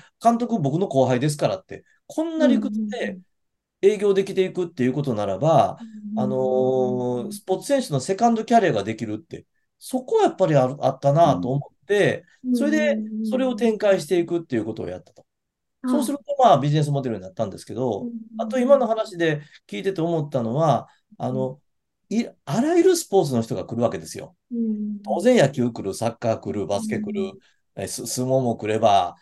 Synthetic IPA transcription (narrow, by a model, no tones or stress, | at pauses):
kãnt̪o̞kɯ̟bo̞kɯ̟no̞ko̞ːɦaid̪e̞s̬ɨ̥kaɾa̰t̪ːe̞ | kʰõ̞nːaɾʲikɯ̟t͡sɨd̪e̞ | eːɡʲo̞ːd̪e̞kʲi̥t̪e̞ikɯ̟t̪ːe̞jɯ̟ko̞t̪o̞naɾa̰baː | no̞ | sɨ̥po̞t͡sɨ̥sẽ̞ɕɨno̞se̞kãnd̪o̞kʲaɾʲijaɡad̪e̞kʲiɾɯ̟t̪ːe̞̰ | so̞ko̞japːaɾʲiaa̰t̪ːanat̪o̞ːmo̞t̪ːe̞ | so̞ɾe̞d̪e̞so̞ɾe̞o̞t̪ẽ̞ŋkaiɕi̥t̪e̞ikɯ̟t̪ːe̞jɯ̟ko̞t̪o̞̰o̰ja̰t̪ːḁt̪o̥ | so̞ːsɨɾɯ̟t̪o̞maːbʲiʑine̞s̬ɨmo̞d̪e̞ɾɯ̟ɲ̟inat̪ːãnd̪e̞sɨ̥ke̞d̪o̞at̪o̞imano̞hanaɕid̪e̞kʲiːt̪e̞t̪e̞o̞mo̞t̪ːano̞βa | ano̞ | iaɾaiɾɯ̟sɨ̥po̞ːt͡s̬ɨno̞çi̥t̪o̞ɡakɯ̟ɾɯ̟βake̞d̪e̞sɨjo̞̰ | t̪o̞ːzẽ̞ɰ̃jakʲɨːkɯ̟ɾɯ̟sakːaːkɯ̟ɾɯbasɨ̥ke̞kɯ̟ɾɯ̟ | esɨsɨmõ̞mo̞kɯ̟ɾe̞ba